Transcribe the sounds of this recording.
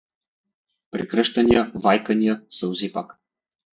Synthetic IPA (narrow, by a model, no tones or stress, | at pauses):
pɾɛkɾəʃt̪ɐnijəvajkənijəsɛuzipa̰k